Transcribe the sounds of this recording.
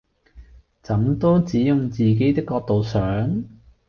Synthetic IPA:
t͡sɐ˨˥mt̪o˥wt͡siː˨˥jʊ˨ŋt͡siː˨˩k̬e˨˥jt̪ɪ˥kːɔː˧k̚t̪o˨wsœː˨˥ŋ

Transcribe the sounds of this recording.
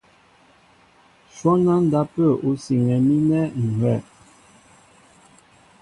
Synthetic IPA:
swɔ˦na˦n̩˨da˦pə˦˨u˨˦si˨ŋɛ˨mi˦nɛ˦ŋ̩˨hwɛ˦˨

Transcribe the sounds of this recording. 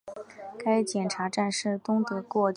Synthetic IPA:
ka˥ɪt͡ɕjɛ˨˩nʈ͡ʂʰa˧˥ʈ͡ʂa˥˧nʂɻ̩˥˩t̪ʊ˥ŋt̪ɤ˧˩kwɔ˥˧t͡ɕ

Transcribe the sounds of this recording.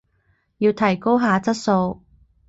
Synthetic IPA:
jiː˧wt̪ʰɐ˨˩jko˥wɦaː˨˧t͡sɐ˥t̚so˧w

